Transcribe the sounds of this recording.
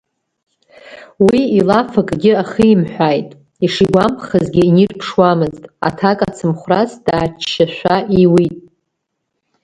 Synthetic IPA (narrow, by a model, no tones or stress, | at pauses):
wiilafakʼɡʲɪaχəimħʷᶣajtʼ | iʂiɡʷampχazɡʲɪinirpʰʂwamɨztʼa̰tʰakʼat͡sʰɨmχʷrasd̥aːt͡ʃʰːaʃʷaʔiwitʼ